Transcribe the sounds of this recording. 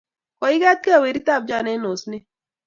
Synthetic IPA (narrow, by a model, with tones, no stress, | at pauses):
kɔ˨i˦ɡa˦t̪̚ke˦a˦˨we˨ɾi˦t̪a˦˨b̚d͡ʒa˦˨nɛ˦no˨sne˦